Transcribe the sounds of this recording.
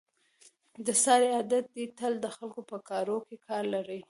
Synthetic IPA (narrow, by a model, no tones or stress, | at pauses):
d̪əsɑɾead̪at̪̚d̪it̪əld̪əxalkopəkɑɾokekʰɑɾlaɾəj